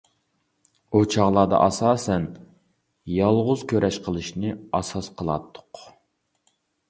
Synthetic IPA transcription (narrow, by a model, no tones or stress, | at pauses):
ut͡ʃʰɑʁlˠɑːd̪ɑ̰ʔɑsɑːsɛn | jɑlˠʁʊz̥kʲʰøɾʔɛʃqʰəlˠɨʃnɪɑsɑsqʰəlˠɑ̰t̪ʰːʊ̥q